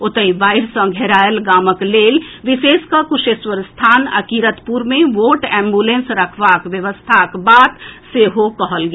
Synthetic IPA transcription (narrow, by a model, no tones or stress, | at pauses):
ot̪əibaːɪɾsə̃ɡʱeɾaːjəlɡaːməkleːlʋiseːskakuʃeːswəɾst̪ʰaːnə̰kiɾət̪puɾmẽʋoːʈɛ̃ːmbulẽnsɾəkʰʋakʋjəʋəst̪ʰakbaːd̪seɦokəɦəlɡe